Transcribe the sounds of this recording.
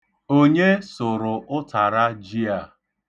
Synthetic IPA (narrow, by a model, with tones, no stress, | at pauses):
o˦ɲe˦sʊ˨ɾʊ˨ʔʊ˦ta˨ɾa˦d͡ʒi˦a˨